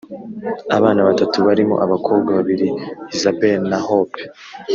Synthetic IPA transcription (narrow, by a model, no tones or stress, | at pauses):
a̰βaːnaβatatuβaɾimo̞̰ʔaβakʰoːbɡaβaβiɾiizabenahope̥